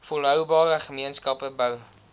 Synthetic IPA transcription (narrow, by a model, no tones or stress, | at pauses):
fulɦœwbɑːɾəχəmiənskɐpəbœw